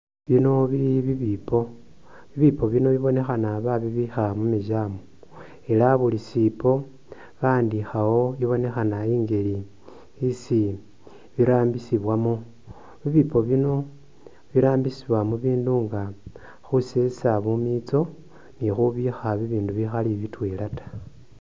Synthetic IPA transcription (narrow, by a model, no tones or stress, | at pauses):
βino̞βiβiβipʰo̞ | βiβipʰo̞βino̞βiβo̞ne̞xanaβaβiβixamumiʒaːmo | e̞laβulisipʰo̞ | βaːndixawo̞iβo̞ne̞xanaiŋɡe̞li | isi | βiɾaːmbisiβwamu | βiβipo̞βino̞ | βiɾaːmbisiβwamuβiːnduŋɡa | xuse̞saβumit͡so̞ | nixuβixaβiβiːnduβixaliβitwe̞latḁ